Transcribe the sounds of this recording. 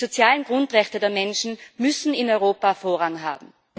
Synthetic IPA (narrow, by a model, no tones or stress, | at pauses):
zot͡sjaːlənɡ̥ʁʊntʁɛçtədeːɐmɛnʃn̩mʏsn̩ɪnɔʏʁoːpafoːɐʁaŋɦa̰ːbm̩